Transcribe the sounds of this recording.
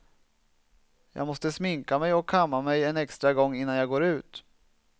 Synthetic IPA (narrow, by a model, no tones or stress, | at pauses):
jɑ̰ːɡmɔst̪əsmɪŋkamɛjɔkʰːamːamɛjɛnɛkst̪ɾaɡɔŋːɪnːanjaːɡoːɾʉ̟ːt̪